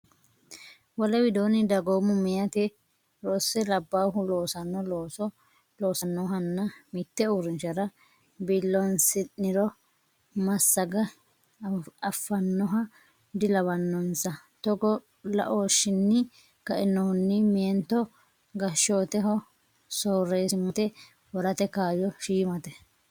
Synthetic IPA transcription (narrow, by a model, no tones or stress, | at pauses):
wɔlɛwɪd̪oːnɪd̪ɐɡoːmʊmɪjɐt̪ɪ | ɾoːsːɛlɐbːaːɦʊlo̞ːsɐnːɔloːsɔ | loːsɐnːɔɦɐnːɐmit̪ːɛuːɾɪnt͡ʃɐɾɐ | bɪlːɔnsɪnːɪɾɔ | mɐsːɐɡɐ | ɐfːɐnːɔɦɐ | d̪ɪlɐβɐnːɔnsɐt̪ɔɡɔ | lɐ̰ʔoːʃɪnːɪ | kɐʔɪnːɔhʊnːɪmɪɛnt̪ɔ | ɡɐʃoːt̪ɛɦɔ | soːrːeːsɪmɐt̪ɛ | wɐɾɐt̪ɛkaːjɔʃiːmɐt̪ɛ